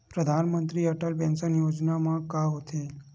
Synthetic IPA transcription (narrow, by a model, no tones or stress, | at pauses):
pɾəd̪ʱanmənt̪ɾiəʈəlpɛ̃nsənjod͡ʒnamãkaɦot̪ʰe